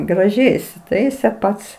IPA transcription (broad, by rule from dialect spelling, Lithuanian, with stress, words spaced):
ɡrɐˈʒʲɛɪ ɪsʲɪˈtɐɪsʲɛ ˈpɐts